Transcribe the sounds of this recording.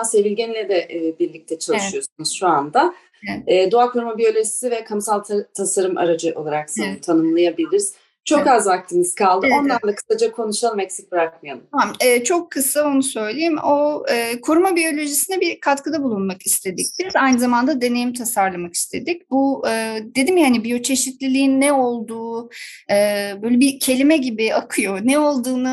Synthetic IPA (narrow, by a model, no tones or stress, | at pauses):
asevilʲɟɛnlʲɛd̪ɛʔːbiɾlʲic̚t̪ʰɛt͡ʃʰalˠɯʃɯjo̞sunuz̥ʃuand̪a | ɛːd̪oakʰuɾmabijo̞lʲo̞ʒisivɛkʰamsalˠt̪ʰt̪ʰasaɾɯmʔa̰ɾad͡ʒɯʔo̞̰lˠaɾaksat̪ʰanɯmlˠajabilʲiɾiz | t͡ʃʰo̞kazvak̚t̪ʰɯniz̥kʰalˠd̪ɯo̞nlˠand̪ˠakʰɯ̥sad͡ʒakʰo̞nuʃalˠmɛcsic̚biɾak̚mɯjaluamɛːt͡ʃʰo̞kʰːɯsaonusø̞jlʲejimoɯːkʰoɾumabijo̞lʲo̞ʒisinɛbikʰat̪kɯd̪abulˠunmakist̪ʰe̞d̪ic̚t̪ʰiɾizajnɯzamand̪ad̪e̞ne̞jimt̪ʰasaɾlˠamaki̥st̪ʰe̞d̪ic̚buɯːd̪e̞d̪imjaanibijo̞t͡ʃʰe̞ʃit̪lʲilʲijinːɛo̞lˠd̪uːɯːbøjlʲɛbicʰe̞lʲimɛɟibiakʰɯjo̞nɛo̞lˠd̪uːnɯ